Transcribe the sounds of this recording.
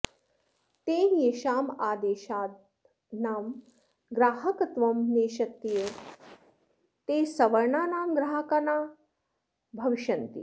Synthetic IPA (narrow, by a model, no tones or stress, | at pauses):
t̪eːjeːʃaːmaːd̪eːʃaː | naːm | ɡɾaːɦɐkɐt̪ʋɐmneːʃɐt̪ːije | t̪eːsɐʋɐɾɳaːnaːmɡɾaːɦɐkɐnaː | bʱɐʋiʃɐnt̪ḭ